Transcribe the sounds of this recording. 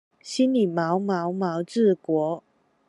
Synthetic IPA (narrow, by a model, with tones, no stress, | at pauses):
ɕi˥nli˨˩mɑ˧˥ʊmɑ˧˥ʊmɑ˧˥ʊʈ͡ʂɻ̩˥˩kwɔ˧˥